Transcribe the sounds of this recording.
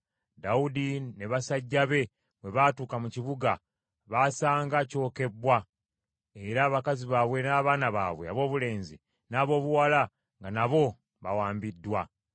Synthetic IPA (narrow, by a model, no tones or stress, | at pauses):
daudine̞βasaɟːaβe̞ | βwe̞βaːtuːkamuciβuɡa | βasaːŋɡaco̞ːke̞bwa | e̞ɾaːβakaziβaːβwe̞naːβaːnaβa̰ːβwe̞a̰βo̞ːβule̞ːnzḭ | naːβo̞ːβuwala | ŋɡanaβo̞ | βawaːmbidːwa